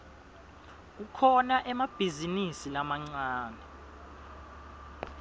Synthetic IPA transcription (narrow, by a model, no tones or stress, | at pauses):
k̬ukʰɔnaʔɛmab̥ʱizinisilamaŋ͡ǀaːnɛ